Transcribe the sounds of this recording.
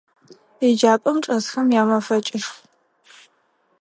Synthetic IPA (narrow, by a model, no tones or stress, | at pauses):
id͡ʒaːpʼɐmʈ͡ʂʼɐzxɐmjaːmɐfɐt͡ʃʼɪʂ